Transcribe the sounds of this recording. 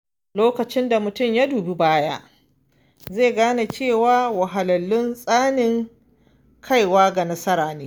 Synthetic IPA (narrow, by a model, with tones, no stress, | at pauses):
loː˦kɐ˨t͡ʃɪ˦nda˨mʊ˨tʊ˦mja˦duː˨bi˦baː˦ja̰˦ | zeː˦˨ɡaː˦na˨t͡ʃeː˦˨waː˦wɐ˨ɦa˨lɐ˨lːʊ˦nsʼaː˦nɪ˦˨ŋ | kʰa˦˨jwaː˦ɡa˨nɐ˦sɐ˦ɾaː˨neː˦